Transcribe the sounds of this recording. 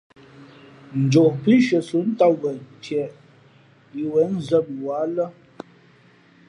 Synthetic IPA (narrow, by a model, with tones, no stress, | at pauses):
n̩˨d͡ʒo˨ʔpi˦ʃə˨su˨˦n̩˦ta˦wɛ˨n˨tjɛ˨ʔ | i˨wɛ˨˦n̩˦zə˦˨m̚wa˨˦lə˦